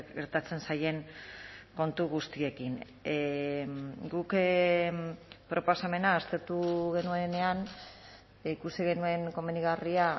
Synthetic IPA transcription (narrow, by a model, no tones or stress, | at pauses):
ɣe̞ɾt̪at͡se̞nsaje̞ŋ | ko̞nt̪uɣ̞ust̪ie̞kiŋ | ɡuk | pɾʔo̞posame̞naːst̪e̞ɾt̪uɣe̞nuene̞an | ikusiɣe̞nue̞ŋko̞meniɣaria